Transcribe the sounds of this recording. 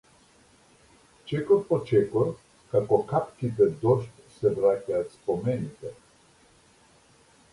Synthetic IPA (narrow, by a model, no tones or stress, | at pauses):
t͡ʃɛkoɾpɔt͡ʃɛkɔɾ | kakɔkapkit̪ɛd̪ɔʃt̪sɛvɾacʲaːt̪spomɛnit̪ɛ